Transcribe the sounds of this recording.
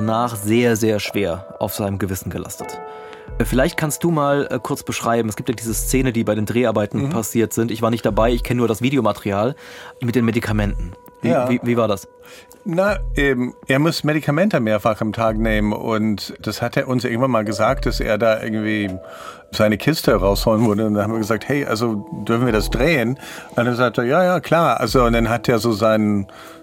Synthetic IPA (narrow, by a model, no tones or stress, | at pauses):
naːχz̥eːɐzeːɐʃv̥eːɐʔa̰ʊfz̥aɪnəmɡəvɪsn̩ɡəlʔa̰stətː | fɪlaɪçt̚kʰanst̚d̥uːmaːlɛkʰʊɐt͡sb̥əʃʁ̥aɪbm̩ɛsɡ̥iːptjadiːzəst͡seːnəndiːbaɪɾeːndʁeːʔaɐbaɪtn̩pʰasiːɐtz̥ɪntɪçv̥aːɐnɪçt̚d̥abaɪɪçkʰɛnənuɐɾasv̥iːdeomatʰɛʁiaːlmɪt̚d̥eːnmedikʰamɛntn̩ | viviːviːvaːɐdas | naʔɛːmʔeːɐmʊsmeɾikʰamɛntəmeːɐfaχamtʰaːkneːmənʔʊ̰ntd̥ashateːɐʔʊnsɪɐɡŋ̩v̥anmaːlɡəzaːk̚t̚d̥asḛːɐdaːʔɪ̰ɐɡŋ̩tv̥iː | zaɪnəkʰɪstəʁaʊshoːlənvʊɐɾəʊntdanhamviːɐɡəzaːk̚thɛɪʔa̰lzodʏɐfn̩viːɐdasd̥ʁeːənʔndanzaːk̚teːɐjaːjaːkʰl̥aːɐʔa̰lzond̥anɦateːɐzoːzaɪnən